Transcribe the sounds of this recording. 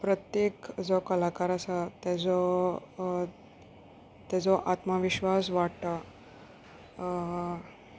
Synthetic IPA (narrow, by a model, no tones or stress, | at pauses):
pɾət̪jekd͡zokəlakaɾasət̪ɛd͡zɔ | t̪ɛd͡zɔʔat̪maʋiɕʋas̬ʋaʈʈə